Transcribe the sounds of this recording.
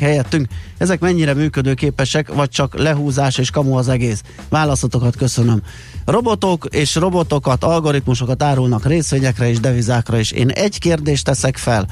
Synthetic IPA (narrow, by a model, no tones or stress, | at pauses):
hɛjɛt̪ːyŋkɛzɛkmɛɲːiɾɛmyːkød̪øːkeːpɛʃɛkʋɒc̚t͡ʃɒklɛɦuːzaːʃeːʃkɒmuɒzɛɡeːs | ʋaːlɒsot̪o̞kɒt̪kø̞sø̞nøm | ro̞bo̞t̪okeːʃro̞bo̞t̪o̞kɒt̪ɒlɡo̞ɾit̪muʃo̞kɒt̪aːɾulnɒkreːsʋeːɲɛkrɛeːʒd̪ɛvizaːkrɒeːʃḛːnɛɟkeːrd̪eːʃt̪ɛsɛkfɛl